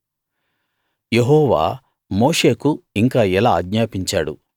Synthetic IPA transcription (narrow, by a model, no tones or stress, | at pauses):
jeɦɔːʋa̰ː | mo̞ːʂe̞ːkuiŋkaːɛlaːɐɡɲaːpiɲt͡ʃa̰ːɽṵ